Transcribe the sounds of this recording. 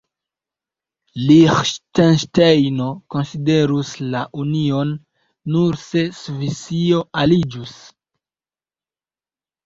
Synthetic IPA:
lixʃtenʃtejno̞ko̞nside̞ɾuslaʔunio̞nː | uɾse̞svisio̞alid͡ʒus

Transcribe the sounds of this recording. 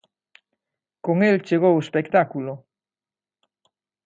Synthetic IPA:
koŋelt͡ʃeɣ̞owespekt̪akulo

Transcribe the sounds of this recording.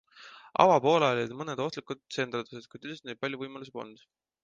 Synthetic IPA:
ʔɑ̰wɑpo̞ːlɑolʲid̪mɤned̪̥o̞ht̪likud̪̥se̞ːnt̪used̪̚kujt̪ːy̥est̪nejd̪̚pɑlʲjuvɤjmɑlus̬epo̰nd̪̥

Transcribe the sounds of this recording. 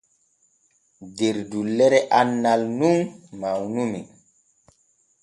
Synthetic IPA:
deɾdulːɛɾɛʔanːalnummawnumin

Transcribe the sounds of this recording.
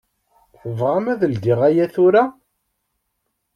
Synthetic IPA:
θəvʁamæðəld̪iʁæjæθʊɾa

